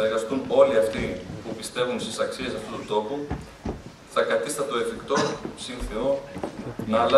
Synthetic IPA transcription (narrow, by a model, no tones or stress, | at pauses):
eɾɣɐst̪uno̞liɐft̪ipupist̪e̞vunst̪isɐksie̞sɐft̪ut̪ut̪o̞pu | θɐkɐt̪ist̪ɐt̪o̞efikt̪o̞sinθio | nɐːlɐ